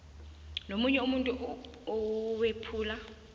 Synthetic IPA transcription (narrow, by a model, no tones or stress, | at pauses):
nomuɲɛumuntʼu | ɔwepʰuːla